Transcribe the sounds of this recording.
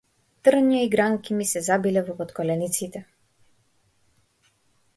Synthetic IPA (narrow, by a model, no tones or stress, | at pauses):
t̪r̩ɲiaiɡɾaŋkimisɛzabilɛvɔpɔt̪kɔlɛnit̪sit̪ɛ